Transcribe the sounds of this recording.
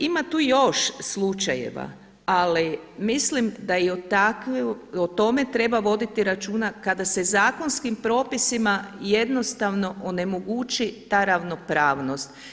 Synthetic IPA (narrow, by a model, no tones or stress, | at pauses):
imat̪uːjo̞ʃslˠut͡ʃajḛʋa̰ | alimislimd̪aiot̪akot̪o̞me̞t̪ɾe̞baʋo̞d̪it̪iɾat͡ʃuːnakad̪ase̞zaːko̞nskimpɾo̞ːpisimaje̞d̪no̞st̪aʋno̞ʔone̞moɡut͡ʃit̪aɾaʋno̞pɾaːʋno̞st̪